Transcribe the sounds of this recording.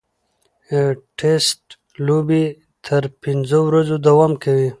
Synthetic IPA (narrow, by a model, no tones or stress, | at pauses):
ʈʰesʈ | lobi | t̪ʰəɾpinzowɾazod̪awamkawi